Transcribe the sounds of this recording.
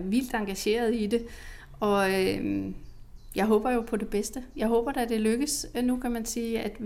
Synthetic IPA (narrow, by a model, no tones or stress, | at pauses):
ʋil̰d̥ɑ̈ŋɡ̥æɕe̝̰ːɐð̞̩ˠid̥e̝ | ɒ̽ø | jɑ̈ɪɦɔ̽ːb̥ɐjo̝pʰɒ̽d̥e̝b̥esd̥əjɑ̈ɪɦɔ̽ːb̥ɐd̥æd̥e̝løɡ̥əsnukʰæmænsiːæd̥